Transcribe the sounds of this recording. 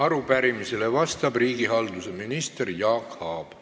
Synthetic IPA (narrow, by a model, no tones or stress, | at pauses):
ɑɾupæɾimise̞le̞vɑst̪ɑb̥riːɡiɦɑld̪use̞minist̪erjɑːkhɑːb̥